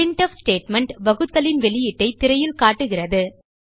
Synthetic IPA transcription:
ɪɳʈɐfsʈeːʈmɐɳʈbɐɣɯt̪ːɐlɪnʋɛɭɪjɪʈːɐɪt̪ːɪɾɐjɪlkaːʈːɯɣɪrɐðɯ

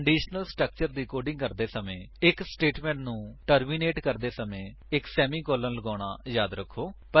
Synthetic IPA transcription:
ɳɖiːʃnəlsʈɾək̚t͡ʃəɾd̪iːkoːɾɖɪ̃ŋɡkəɾd̪eːsəmẽːɪksʈeːʈmɛ̃ːɳʈnũːʈəɾmiːneːʈkəɾd̪eːsəmẽː | ɪksɛːmiːkoːlələɡaːɽ̃aːjaːd̪ɾəkʰːoːpə

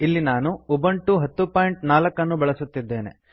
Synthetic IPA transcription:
ilːinaːnuubɐɳʈuɦɐt̪ːupaːjɳʈnaːlɐkːɐnːubɐɭɐsut̪ːid̪ːe̞ːne̞̰

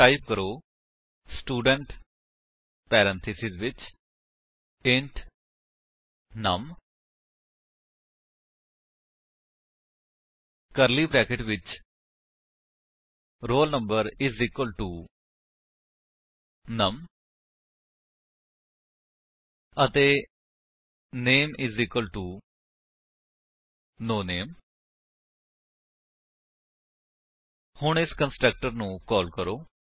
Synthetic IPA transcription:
aːibkəɾoː | sʈuːɖəɳʈ | pɛːɾə̃nt̪ʰɪsɪzʋɪt͡ʃ | ɪ̃ɳʈ | nəm | kəɾliːbɾɛːkɪʈʋɪt͡ʃ | ɾoːlnə̃mbəɾɪzikwəlʈuː | nəm | ət̪eː | neːmɪzikəlʈuː | noːneːm | hʊɳ̃ɪskənsʈɾək̚ʈəɾnũːkɔːlkəɾoː

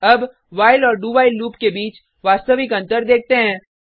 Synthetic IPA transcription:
ɐb | ʋaːɪlɔːɾɖuːbaːɪlːuːpkebiːt͡ʃ | ʋaːst̪əʋɪkɐ̃nt̪əɾd̪eːk̚ʰt̪eɦɛ̃ː

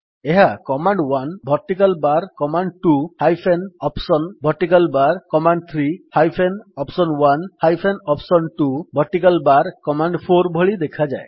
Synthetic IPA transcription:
eɦakɔmaɳɖwanbʱɔɾʈikalbaɾkɔmaɳɖ̚ʈuhajpʰenɔpsɔnbʱɔɾʈikalbaɾkɔmaɳɖ̚t̪ʰɾihajpʰenɔpsɔnwanhajpʰenɔpsɔnʈubʱɔɾʈikalbaɾkɔmaɳɖpʰoɾbʱɔɭid̪ekʰad͡ʒae

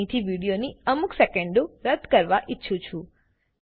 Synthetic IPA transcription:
ĩt̪ʰiʋiɽijoniəmuksekeɳɖoɾəd̪ʱkəɾʋaʔɪtːʃʰũt͡ʃʰũ

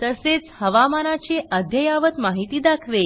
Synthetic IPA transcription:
t̪əset͡shəʋamanat͡ɕeʔəd̪ʱjəjaʋət̪maɦit̪iːd̪akʰʋe

